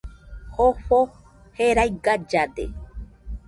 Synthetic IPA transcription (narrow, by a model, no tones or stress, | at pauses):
hoɸo | heɾajɡad͡ʒad̪ḛ